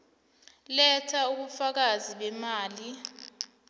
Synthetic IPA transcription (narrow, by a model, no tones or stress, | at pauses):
lɛtʰauɓufak̬aziɓɛmaːli